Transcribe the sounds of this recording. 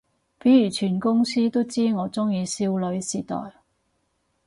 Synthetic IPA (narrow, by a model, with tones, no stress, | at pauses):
pe˨˥jyː˨˩t͡ʃʰyː˨˩nkʊ˥ŋsiː˥t̪o˥wt͡siː˥ŋɔː˨˧t͡sʊ˥ŋjiː˨˧siː˥wlɵ˨˧ɥsiː˨˩t̪ɔ̰ː˨j